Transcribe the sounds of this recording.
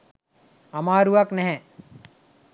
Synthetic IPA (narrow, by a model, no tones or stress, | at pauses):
amaːɾuʋaknɛɦɛ̃